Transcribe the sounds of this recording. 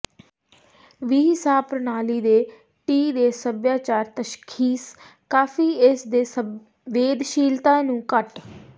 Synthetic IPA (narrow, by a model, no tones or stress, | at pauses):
ʋiːɦɪsaːb̚pɾənaːliːd̪eː | ʈiːd̪eːsəbjaːt͡ʃaːɾt̪əʃkʰiːskaːfʰiːɪsd̪eːsə | ʋeːd̪ʃiːlt̪ãːnũːkəʈ